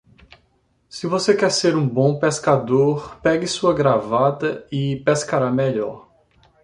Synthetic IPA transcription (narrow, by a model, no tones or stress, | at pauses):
sɪvosekɛɾseɾũbõw̃peskad̪oɾpɛɡɪsuɐɡɾavat̪ɐɪpeskaɾameʎɔɾ